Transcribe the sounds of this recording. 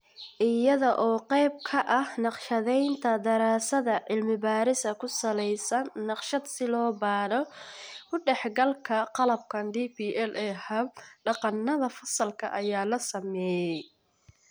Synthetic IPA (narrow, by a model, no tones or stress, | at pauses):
ʔɪjɐðɔʔɔːqɛjb̚kʰɐʔɐhnɑqʃɐðɛjnt̪ʰɐd̪ɐɾaːsɐðɐʕɪlmɪbaːɾɪsɐkʰʊsɐlɛjsɐnːɑqʃɐd̪sɪlɔːbaːɾɔkʊɖɛħɡɐlkʰɐqɑlɐb̚kʰɐnd̪ipiːʔɛlʔɛːhɐbɖɑqɑnːɐðɐfɐsɐlkʰɐ̰ʔɐjaːlɐsɐmɛːjɛj